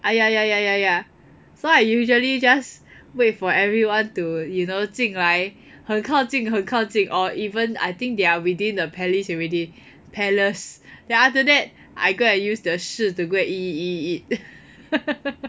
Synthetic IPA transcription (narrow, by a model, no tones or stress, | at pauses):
ʔajajajajaja | soaɪjuʒəlid͡ʒas | wet̚fɔɛvɹiwãntujunotĩŋlaɪk | hə̃ŋkʰãʊtĩŋɦə̃ŋkʰãʊtĩŋʔɔʔivə̃na̰jt̪ĩŋk̚deawidĩndəpʰɛlisɔɹɛdi | pʰɛləsdɛ̃naftədɛt̚ | ʔa̰ɪɡoɛ̃njusdəʃutuɡoɛt̚iiit̚